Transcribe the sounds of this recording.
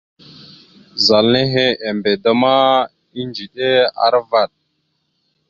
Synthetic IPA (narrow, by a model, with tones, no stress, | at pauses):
za˨lne˦ɦe˦e˨mbe˨da˦ma˦ | i˦nd͡ʒi˨ɗe˦a̰˦ɾva˨ɗ̚